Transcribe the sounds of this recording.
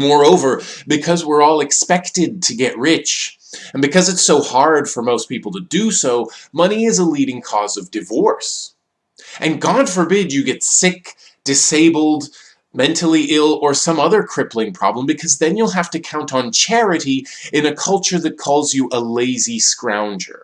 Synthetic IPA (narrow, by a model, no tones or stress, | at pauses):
mɔɹoʊvə˞bɨkʰʌzwɪɹɔlˠɨkspɛktɨd̚tʰɨɡɛʔ̚ɹɪt͡ʃ | ɨ̃n̩bɨkʰʌzɨtsoʊhɑɹd̥fə˞moʊspipl̩ˠtʰɨdɨsoʊmʌñiɪzəliɾɪ̃ŋkʰɔzʌvdɨvɔɹs | ʔɨ̃nɡɑd̥fə˞bɪd͡ʒɨɡɛtsɪk | d̥ɨseɪbl̩ˠd | mɛ̃ntʰl̩ˠiʔɪlˠə˞sʌ̃mʌðə˞kʰɹ̥ɪplɪ̃ŋpʰɹ̥ɑ̰blə̃mbɨkʰʌzðɨ̃njulˠɦæftɨkʰãʊ̃ntn̩t͡ʃʰɛɹɨɾiɨ̃nɨkʰʌlˠt͡ʃə˞ðɨt̚kʰɔlˠzjɨʔəleɪziskɹã̰ʊ̃nd͡ʒə̰˞